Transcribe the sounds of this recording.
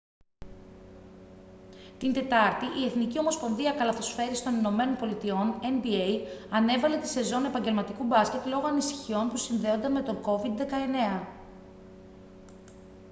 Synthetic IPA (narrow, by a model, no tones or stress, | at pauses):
t̪ind̪e̞t̪ɐɾt̪iʔie̞θnicio̞mo̞spõ̞nðiɐkɐlɐθo̞sfe̞ɾist̪o̞nino̞me̞no̞npo̞lit̪io̞ne̞nbiejɐne̞vɐle̞t̪i̥se̞zo̞ne̞pɐɲɟelmɐt̪ikubɐsce̞t̪lo̞ɣoɐnisi̥çio̞npusinðe̞o̞nd̪ɐnme̞t̪o̞ŋko̞vid̪ðe̞kɐe̞ne̞ɐ